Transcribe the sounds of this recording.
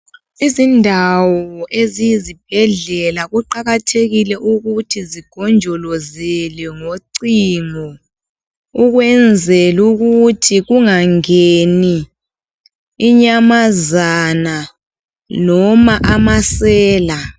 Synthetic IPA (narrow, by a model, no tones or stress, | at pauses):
izindʱawɔʔeziizib̥̚ʱɛɮɛlaɣuǃaɣatʰeɣilɛʔuɣutʰiziɡ̥ʱɔnd͡ʒʱɔlɔzɛlɛŋoǀiŋɔ | uɣwɛnd͡zʱɛluɣutʰiɣuŋaŋeni | ɲamazana | nɔmaʔamasɛːla